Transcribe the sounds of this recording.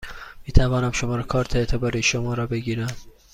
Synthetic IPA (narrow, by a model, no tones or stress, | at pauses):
miːt̪ʰævɒːnæmʃomɒːɾekʰɒːɾt̪ʰeet̪ʰe̞bɒːɾiːʃomɒːɾɒːbe̞ɡiːɾæm